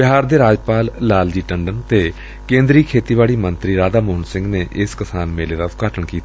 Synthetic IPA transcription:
bɪɦaːɾd̪eːɾaːd͡ʒpaːlːaːld͡ʒiːʈəɳɖənt̪eː | kẽːnd̪ɾiːkʰeːt̪iːʋaːɭiːmənt̪ɾiːɾaːd̪aːmʊɦnsɪ̃ŋɡneːʔɪskəsaːnmeːleːd̪aːʊt̪̚kaːʈəɳkiːt̪a

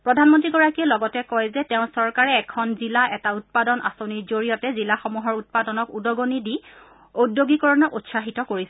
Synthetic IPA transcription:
pɹɔdʱanmɔntɹiɡɔɹakiɛlɔɡɔtɛkɔjzɛtɛʊ̃sɔɹkaɹɛːkʰɔnzilaʔɛtaut̚padɔnʔa̰soniɹzoɹijɔtɛzilaxɔmuɦɔɹut̚padɔnɔkudɔɡonidi | odjoɡikɔɹɔnɔʔutsaɦitɔkoɹisɛ

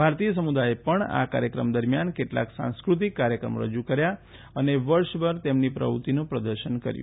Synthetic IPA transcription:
bʱaɾt̪ijəsəmud̪aepəɳa̰kaɾjəkɾəmd̪əɾmjankeʈla̰ksã̰skɾut̪̬ikːaɾjəkɾə̰moɾə̰d͡ʒukəɾja | əneʋəɾʃbəɾt̪emnipɾə̰ʋut̪inũpɾəd̪əɾʃənkə̰ɾjṵ̃

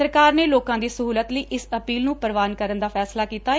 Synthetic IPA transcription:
əɾkaːɾneːloːkãːd̪iːsəɦuːlət̪ləiːʔɪsəpiːlnũːpəɾʋaːnkəɾənd̪aːfʰɛːslaːkiːt̪aː

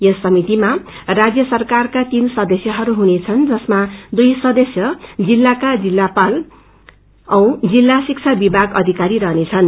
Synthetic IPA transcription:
jʌsʌmit̪imarad͡zjʌsʌrkarkat̪insʌd̪ʌsjʌɦʌɾuɦunet͡sʰʌnd͡zʌsmad̪ujsʌd̪ʌsjʌd͡zilːakad͡zilːapal | ʌ̃w̃d͡zilːasik̚t͡sʰabibʱaɡʌd̪ʱikaɾiɾʌɦnet͡sʰʌn

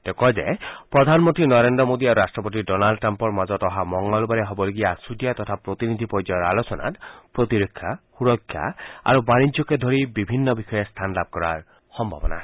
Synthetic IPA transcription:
tɛkɔjzḛpɹɔd̪ʱanmɔnt̪ɹinɔɾendɔmod̪iaɾuɾasʈɹɔpot̪̬idɔnalɖʈɾampɔɹmazɔt̪ɔɦamɔŋɡɔlbaɾeɦobɔloɡijasudijat̪ɔt̪ʰapɾot̪inid̪ʱipɔd͡ʒɔjɔɹa̰losɔna̰tpɹot̪iɾokʰːja̰xuɹɔkʰːja̰a̰ɾubanid͡ʒɔked̪ʱoɹibibʱinːɔbixɔjest̪ʰanlab̚kɔɹa̰ɹ | xɔmbʱa̰bɔna̰

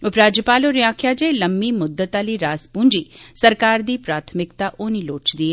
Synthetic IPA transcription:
ʊpɾaːd͡ʒjəpaːloːɾɪaːkʰjaːd͡ʒeːləmːiːmʊd̪ːət̪aːliːɾaːspũːnd͡ʒiːsəɾkaːɾd̪iːpɾaːt̪ʰmɪkt̪aʔoːniloːt͡ʃd̪iːɛ

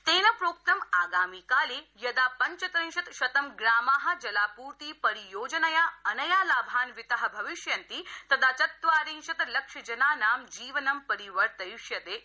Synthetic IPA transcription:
t̪eːnɐpɾoːk̚t̪ɐmaːɡaːmikaːleːjɐd̪aːpɐɲt͡ʃɐt̪ɾĩŋʃɐt̪ʃɐt̪ɐmɡɾaːmaːɦɐ̆d͡ʒɐlaːpuːɾt̪iːpɐɾijoːd͡ʒɐnɐjaːɐnɐjaːlaːbʱaːnʋɪt̪ɐɦɐ̆bʱɐʋɪʃjɐnt̪iːt̪ɐd̪aːt͡ʃɐt̪ʋaːɾĩŋʃɐt̪lɐkʃɐd͡ʒɐnaːnaːmd͡ʒiːʋɐnɐmpɐɾiʋɐɾt̪ɐjuʃjɐt̪eː

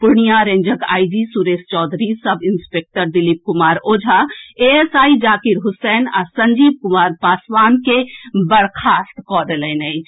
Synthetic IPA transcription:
pʊɾɳijaɾẽːɲd͡ʒəɡa̰ːid͡ʒisuɾeːst͡ʃɔːd̪ʱɾisɐbɪnspek̚ʈəɾd̪ɪlip̚kʊmaːɾoːd͡ʒʱaeesaːid͡ʒaːkiɾɦʊsɛːna̰sɐ̃ɲd͡ʒiːb̚kʊmaːɾpaːswaːnkebɐɽkʰaːst̪kɔːd̪elenɛi

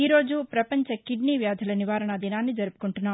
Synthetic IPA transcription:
iːɾo̞ːd͡ʒupɾɐpɐɲt͡ʃɐkiɖniːʋjaːd̪ʱɐlɐniʋaːɾɐɳɐd̪inaːnːid͡ʒɐɾupu̥kuɳʈunːaː

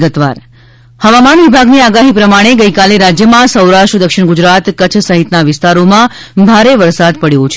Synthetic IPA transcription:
ɡət̪ʋa̰ɾ | həʋamanʋibʱaɡniaɡaɦipɾəmaɽ̃eɡəikaleɾad͡ʒjəmãsəwɾaʃʈɾəd̪əkʃɪɳɡud͡ʒɾat̪kət͡ʃʰsəɦit̪naʋɪst̪aɾomã | bʱaɾeʋəɾsad̪̚pəɽjot͡ʃʰ

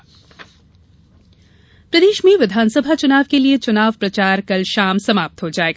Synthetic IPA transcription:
pɾɐd̪eːʃmẽʋɪd̪ʱaːnsəbʱat͡ʃʊnaːʋkeliet͡ʃʊnaːʋpɾɐt͡ʃaːɾkɐlʃaːmsɐmaːp̚t̪ɦod͡ʒaːeːɡaː

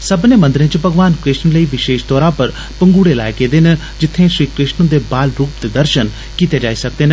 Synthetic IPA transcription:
səbneːmənd̪ɾẽːt͡ʃəpəɡʋaːnkɾɪʃnləiːʋɪʃeːʃt̪ɔːɾãːpəɾ | pəŋɡuːɽeːla̰ːekeːd̪eːnə | d͡ʒɪt̪ʰːẽːʃɾiːkɾɪʃnə̃d̪eːbaːlɾuːpd̪ed̪əɾʃən | kiːt̪eːd͡ʒaːiːsək̚d̪eːn

